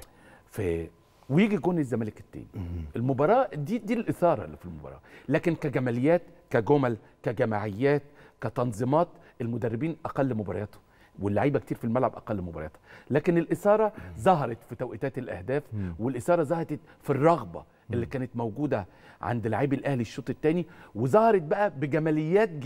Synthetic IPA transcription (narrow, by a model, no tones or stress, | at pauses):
fæ | wejiːɡiɡoːnezːæmæːleke̥t̪ːæ̰ːniʔelmobɑɾˤɑːd̪iːd̪iːlʔesɑːɾˤɑ̰lːifilmobɑ̰ɾˤɑ̰ːlæːkenkæɡæmælejːæːt̪kæɡomæl | kæɡæmaʕejːæːt̪̚kæt̪ɑnzˤemɑːt̪ | elmod̪ærˤːebiːnʔæqɑlːmobɑɾˤɑjɑːt̪o̥ | welːaʕiːbækt̪iːɾfilmælʕabʔæ̰qɑlːmobɑɾˤɑ̰jɑːt̪o̥læːkenelʔesɑːɾˤɑzˤɑɦɑɾˤɑt̪fit̪æwʔet̪æːt̪elʔæ̰hd̪æːfwelʔesɑːɾˤɑzˤɑhɑt̪ˤet̪ | firˤːɑɣbɑ̰ | ʔelːiːkæːnet̪mowɡuːd̪æ | ʕa̰nd̪laʕiːbelʔæhliʃːoːt̪ˤet̪ːæːniwezɑhɑɾˤɑt̪̚bæʔæbeɡæmælejːæːt̪̚